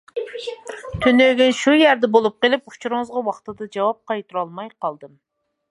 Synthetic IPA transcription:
t̪ʰynøɡʲɛnʃujæɾd̪ɛbolˠup̚qelˠɪpu̥t͡ʃʰuɾɨŋɨzʁɑwɑχt̪ɨd̪ɑd͡ʒɑwɑp̚qʰɑjt̪ʰuɾɑlˠmɑjqʰɑlˠd̪ɨm

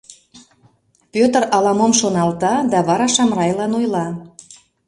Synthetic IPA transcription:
pøt̪əɾɑlɑmomʃonɑlt̪ɑd̪ɑβɑɾɑʃɑmrɑjlɑnojlɑ

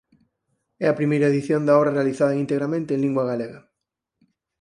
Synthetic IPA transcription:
ɛɐpɾimejɾɐeðiθjõnd̪aɔβɾɐrealiθaðɐeŋint̪eɣɾamẽnt̪ẽːŋlĩŋɡwaɣaleɣɐ

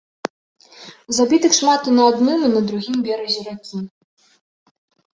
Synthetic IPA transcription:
zabʲit̪ɨxʂmat̪unɐad̪nɨmunɐd̪ɾuɣʲimbʲɛɾɐzʲɛɾakʲi

